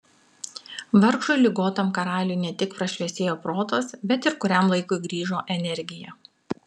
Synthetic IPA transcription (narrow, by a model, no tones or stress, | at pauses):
ʋɐɾkʃʊɪlʲɪɡoːt̪ɐmkɐɾɑːlʲʊɪnʲɛt̪ʲɪkpɾɐʃʲʋʲɛsʲeːjoːpɾoːt̪oːsbʲɛt̪ɪɾkʊɾʲɛmlˠɐɪkʊɪɡɾʲiːʒoːʔɛnʲɛɾʲɡʲɪjɛ